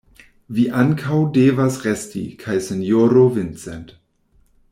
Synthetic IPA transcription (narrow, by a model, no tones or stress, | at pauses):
viːʔankʰawdeːvasʁɛstʰḭkʰajsɛnjoːɾovɪnt͡sɛnt